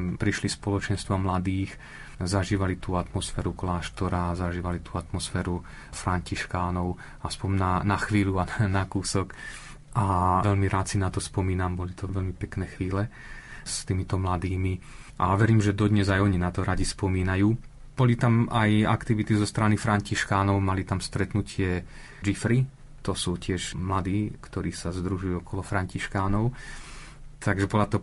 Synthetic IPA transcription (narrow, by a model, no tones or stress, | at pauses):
pɾiʃlispɔlɔt͡ʃɛnst̪ʋamlad̪iːx | zaʒiːʋalit̪uːat̪mɔsfɛːɾuklaːʃt̪ɔɾaːzaʒiːʋalit̪uːat̪mɔsfɛːɾu | fɾaɲciʃkaːnɔʊ | aspɔmnanaxʋiːluanakuːsɔk | ʔaʋɛʎmiɾaːt̪sinat̪ɔspɔmiːnambɔlit̪ɔʋɛlmipɛknɛːxʋiːlɛst̪iːmit̪ɔmlad̪iːmi | ʔaʋɛɾiːmʒɛd̪ɔd̪ɲɛzajɔɲinat̪ɔɾaɟispɔmiːnajuː | b̥ɔlit̪amaja̰kt̪iʋit̪izɔst̪ɾanifɾaɲciʃkaːnɔʊmalit̪amst̪ɾɛt̪nucʰɪɛ | d͡ʒifɾi | t̪ɔsuːcɪɛʃmlad̪iːkt̪ɔɾiːsazd̪ɾuʒujuɔkɔlɔfɾaɲciʃkaːnɔʊ | t̪ʰaɡʒɛbɔlat̪ɔ